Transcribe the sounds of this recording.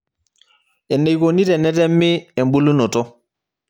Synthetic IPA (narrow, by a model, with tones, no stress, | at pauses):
ɛ˨ne˨jkoni˦tɛ˨nɛ˦tɛ˦mːi˦e˨mbu˦lu˦nɔ˨tɔ˦